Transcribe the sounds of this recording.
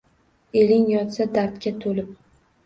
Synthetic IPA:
elɪŋjɒt̪sad̪aɾt̪kʲat̪ʰolɪp̚

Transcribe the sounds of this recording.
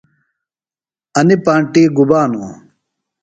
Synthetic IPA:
ɐnipãːɳʈiːɡubaːnṵ

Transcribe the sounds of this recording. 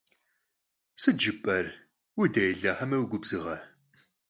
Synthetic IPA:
sɨd͡ʒɨpʼɐr | wideːɮɐħɐmɐwɡʷʊbz̥ɨʁɐ

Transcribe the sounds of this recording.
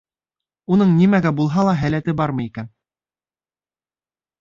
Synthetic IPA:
unɤɴnimæɡæbulˠɦɑlˠɑɦælæt̪ɘbɑɾmɤ̆jikæn

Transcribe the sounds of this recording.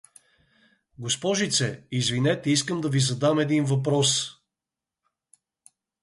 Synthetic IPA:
ɡospɔʒit̪sɛizvinɛt̪ɛiskəmd̪ɐvizɐd̪amɛd̪invɐpɾɔs

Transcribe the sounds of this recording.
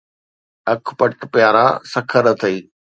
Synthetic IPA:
ɐkʰpɐʈpjaːɾa̰sɐkʰəɾət̪ʰɐiː

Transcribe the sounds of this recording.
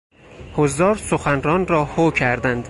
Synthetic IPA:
hozd̪ɒːɾsoxænrɒːnrɒːhocʰæɾd̪ænd̪̥

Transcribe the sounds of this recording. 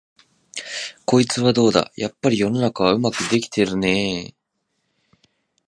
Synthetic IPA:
ko̞it͡sɨβad̪o̞ːd̪a̰japːaɾʲijo̞no̞nakaβaɯ̟makɯ̟d̪e̞kʲi̥t̪e̞ɾɯ̟ne̞

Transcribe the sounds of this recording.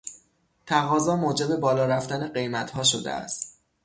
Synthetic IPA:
t̪ʰæɣɒːzɒːmoːd͡ʒe̞be̞bɒːlɒːɾæft̪æne̞ɢe̞jmæt̪ʰhɒːʃo̞d̪ḛæ̰st̪

